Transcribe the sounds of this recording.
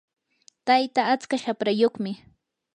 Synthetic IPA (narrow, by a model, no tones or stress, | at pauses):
t̪ajt̪aːt͡skaʃapɾajoχmɪ